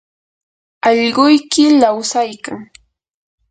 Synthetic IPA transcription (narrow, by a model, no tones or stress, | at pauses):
ɑʎɢʊjkɪlawsajkaŋ